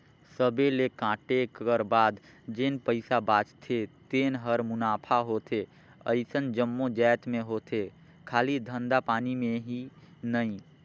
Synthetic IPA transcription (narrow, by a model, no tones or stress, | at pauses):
səbelekãːʈekəɾbaːd̪ | d͡ʒenpəɪsabaːt͡ʃt̪ʰet̪eːnɦəɾmʊnaːpʰaɦot̪ʰe | ə̰ɪsənd͡ʒəmːod͡ʒɛːt̪mẽɦot̪ʰe | kʰaːlid̪ʱə̃nd̪apaːnimẽɦinəĩ